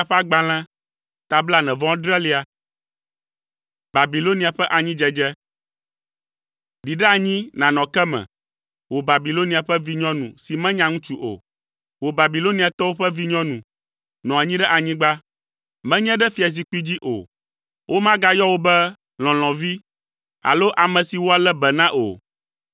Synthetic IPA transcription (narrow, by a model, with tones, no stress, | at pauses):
a˨ɸɛ˦a˦ɡ͡ba˨l̃ɛ̃˦ | t̪a˨bla˦nɛ̃˨vɔ̃˦dɾɛ˦li˦a˨ | ba˨bi˨lo˦nĩ˨a˨ɸɛ˦ʔa˨ɲĩ˦d͡ʒɛ˦d͡ʒɛ˦ | ɖi˨ɖɛ˦a˨ɲĩ˦nã˨nɔ̃˨kɛ˦mɛ̰̃˨ | wo˨ba˨bi˨lo˦nĩ˨a˨ɸɛ˦vi˦ɲɔ̃˦nṵ̃˨si˨mɛ̃˦ɲã˦ŋũ˦t͡ʃu˦ʔo̰˨ | wo˨ba˨bi˨lo˦ni˨a˨t̪ɔ˦wo˦ɸɛ˦vi˦ɲɔ̃˦nũ˨ | nɔ̃˨a˨ɲĩ˦ɖɛ˦ʔa˨ɲĩ˦ɡ͡ba˦ | mɛ̃˦ɲɛ̃˦ɖɛ˦fi˨a˨s̬i˨k͡pi˦d͡ʑi˦ʔo̰˨ | wʔo˦mã˦ɡa˦jɔ˦wo˦bɛ˦ | l̃ɔ̃˨l̃ɔ̃˨vi˦ | a̰˨lo˦ʔa˨mɛ̃˨si˨wo˦a˨lɛ˦bɛ˨nã˦ʔo̰˨